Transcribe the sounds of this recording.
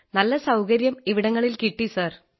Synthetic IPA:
nɐlːɐsɐwkɐɾjɐmiʋiɽɐŋːɐɭilkiʈːisɐr

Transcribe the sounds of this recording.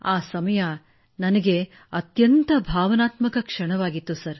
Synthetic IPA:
aːsɐmɐja | nɐnɐɡe | ɐt̪jɐnt̪ɐbʱaːʋɐnaːt̪mɐkɐkʂɐɳ̃ɐʋaːɡit̪ːusɐɾ

